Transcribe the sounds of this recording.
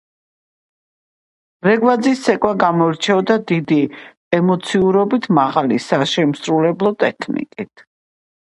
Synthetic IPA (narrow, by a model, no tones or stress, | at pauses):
ɾɛɡwad̪zisːɛkʼwaɡamɔiɾt͡ʃʰɛɔd̪ad̪id̪i | ɛmɔt̪sʰiuɾɔbit̪ʰmaʁalisaʃɛmsɾulɛblˠɔt̪ʼɛkʰnḭkʼit̪ʰ